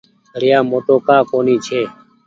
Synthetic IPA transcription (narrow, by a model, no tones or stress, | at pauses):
əɾjãːmoːt̪oːkaːkoːniːt͡ʃʰeː